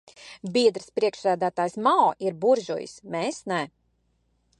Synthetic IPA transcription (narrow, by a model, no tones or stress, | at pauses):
biɛd̪ɾspɾiɛkʃsæːd̪æːt̪aːjsmaɔʔiɾbuɾʒṵjḭsmeːsnɛ